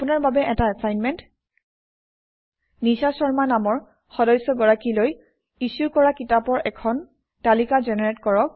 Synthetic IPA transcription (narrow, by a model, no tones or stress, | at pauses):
pʊnaɹbabɛʔɛtaasajnmɛnt | nisasɔɹmanamɔɹ | xɔdɔjsɔɡɔɹakiloj | isukɔɹakitapɔɹʔɛkʰɔn | talikazɛnɛɹɛtkɔɹɔk̚